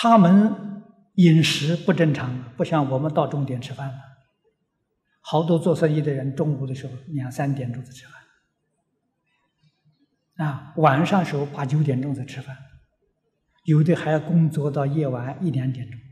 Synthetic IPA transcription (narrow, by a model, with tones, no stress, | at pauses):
t̪ʰa˥mə˧n | i˨˩nʂɻ̩˧˥pu˥˧ʈ͡ʂə˥ŋʈ͡ʂʰɑ˧˥ŋd̪ə˨˩pu˥˧ɕjɑ˥˩ŋwɔ˨˩mə˧nt̪ɑ˥˧ʊʈ͡ʂʊ˥˧ŋt̪jɛ˨˩nʈ͡ʂʰɻ̩˥fa˥˩nb̪ɐ˩ | xɑ˧˥ʊt̪̬wɔ˥t͡swɔ˥˧swə˥˧i˥˩d̪ə˩ɻə˧˥nʈ͡ʂʊ˥˧ŋu˧˥d̪ə˩ʂɻ̩˧˥xo˥˩ʊni˧˨a˧˩sa˥nt̪jɛ˨˩nʈ͡ʂʊ˥˩t͡sa˧˩ɪʈ͡ʂʰɻ̩˥fa˥˩n | a˥˧˩wa˨˩nʂɑ˥˩ŋd̪ə˩ʂɻ̩˧˥xo˥˧ʊpa˧˩t͡ɕjo˧˥ʊt̪jɛ˨˩nʈ͡ʂʊ˥˧ŋt͡sa˧˩ɪʈ͡ʂʰɻ̩˥fa˥˩n | jo˧˩ʊ˥d̪ə˥˧xa˧˥ɪjɑ˥˩ʊkʊ˥ŋt͡swɔ˥t̪ɑ˥˧ʊjɛ˥˩wa˧˥ni˥˩njɛ˧˥nt̪jɛ˨˩nʈ͡ʂʊ˥˩ŋ